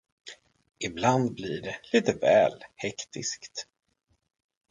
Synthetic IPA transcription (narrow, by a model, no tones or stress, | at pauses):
ʔɪbland̪blɪɖɛliːt̪əvɛːlhɛkt̪ʰɪ̰skt̪